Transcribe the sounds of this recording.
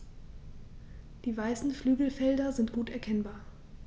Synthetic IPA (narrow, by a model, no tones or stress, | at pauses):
d̥iːvaɪsn̩flyːɡl̩fɛldɐzɪntɡ̥uːtɛɐkʰɛnbaːɐ